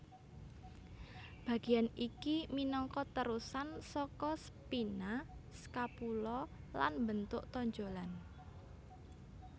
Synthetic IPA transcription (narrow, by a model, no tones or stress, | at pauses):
b̥a̤ɡ̥ijanikiminɔŋkɔt̪əɾusansɔkɔsəpinasə̥kapulɔla̰nmbənt̪ʊʔt̪ɔɲd͡ʒolan